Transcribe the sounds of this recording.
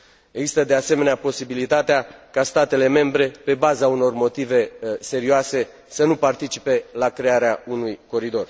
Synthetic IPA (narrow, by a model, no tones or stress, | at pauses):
eɡzist̪əd̪ease̞me̞neapo̞sibilit̪at̪eakast̪at̪e̞le̞me̞mbɾe̞pe̞bazauno̞rmo̞t̪ive̞se̞ɾioase̞ | sənupart̪it͡ʃipe̞lakɾe̞aɾeaunujko̞ɾid̪o̞r